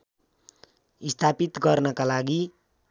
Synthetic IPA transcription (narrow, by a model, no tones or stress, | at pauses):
ist̪ʰapit̪ɡʌrnʌkalaɡi